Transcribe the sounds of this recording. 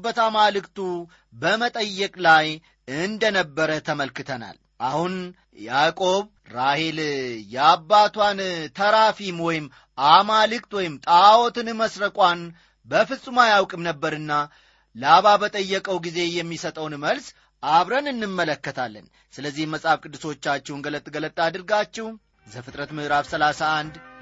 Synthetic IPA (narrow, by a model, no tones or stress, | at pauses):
bət̪amalɨkt̪ʰu | bəmət̪ʼəjːɛkʼlaj | ɨnd̪ənəbːəɾət̪ʰəməlkɨt̪ʰəna̰l | ʔahun | jakʼo̞β | ɾahe̞ljɛabːat̪ʰwant̪ʰəɾafimwɔjɪm | ʔamalɨkt̪wɔjɪmt̪ʼawot̪ɨnməsɾəkʼʷan | bəfɨsʼːumajawkʼɨmnəbːəɾɨnːa | laβabət̪ʼəjːɛkʼəwɡize̞jɛmːisət̪ʼəwnməls | ʔaβɾənɨnːɨmːələkːət̪ʰalːə̰n | sɨləzːihməsʼafkʼɨd̪ːɨso̞t͡ʃːat͡ʃːɛwnɡələt̪ʼːɡələt̪ʼːad̪ɨɾɡat͡ʃːɛw | zəfɨt̪ʼɾət̪mɨɾafsəlasaːnd̪